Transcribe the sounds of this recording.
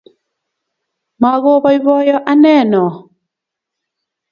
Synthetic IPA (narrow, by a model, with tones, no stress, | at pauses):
ma˨ɣo˦βɔ˦i˦βɔ˦jɔ˦ʔa˦nɛ˦˨nɔ˨